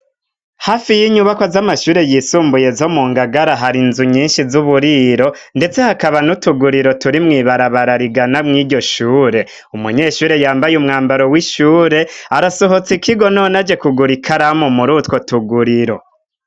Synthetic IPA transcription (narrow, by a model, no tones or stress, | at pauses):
haːfijiɲuβakozamaʃuːɾe̞jiːsuːmbuje̞zomuːŋɡaɡaɾaɦaɾinzuɲiːnʃizuβuɾiːɾo̞nde̞t͡se̞hakaβanutuɡuɾiɾo̞tuɾimŋiːβaɾaβaɾaɾiɡanamŋiːɟo̞ʃuːɾe̞ | umuɲe̞ːʃuːɾe̞jaːmbajumŋaːmbaɾo̞wiʃuːɾe̞aɾasoɦo̞t͡sikʰiɡo̞noːnad͡ʒe̞kuɡuɾikʰaɾamumuɾutko̞tuɡuɾiɾo̞̰